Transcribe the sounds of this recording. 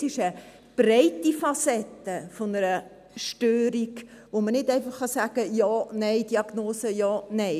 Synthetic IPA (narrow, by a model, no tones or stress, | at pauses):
sɪʃə | b̥ɾɛɪtifɑsɛtːəfonəɾə | ʃtøːɾiɡʋomənɪdɛɪfɑχːɑsæːɡ̥əjɑːnɛɪd̥iɑɡ̥noːsəjɑːnɛɪ